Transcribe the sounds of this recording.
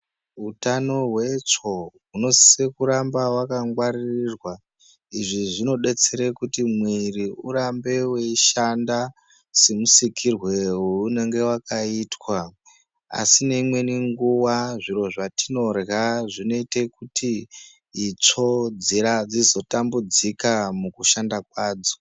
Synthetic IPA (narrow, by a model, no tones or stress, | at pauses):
ɦutano̞ɦwe̞t͡ʂo̞ɦuno̞sise̞kuɾambawakaŋɡwaririrwa | iʐiʐino̞ɗe̞t͡se̞ɾekutimwiriuɾambe̞weʃanda | se̞musikʰirwe̞ɦuune̞ŋɡe̞wakaitwa | a̰sine̞imwe̞niŋɡuwaʐiɾo̞ʐatino̞rɣaʐino̞ite̞kutiː | t͡ʂo̞d͡ziɾad͡zizo̞tambud͡zikamukuʃandakwaːd͡zo̞